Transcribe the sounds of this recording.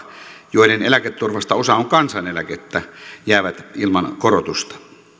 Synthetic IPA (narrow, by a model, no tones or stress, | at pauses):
joˑedenelæket̪ːurʋɑst̪ɑosɑoŋkɑnsɑnelæket̪ːæjæˑeʋæt̪ilmɑnkorot̪ust̪ɑ̥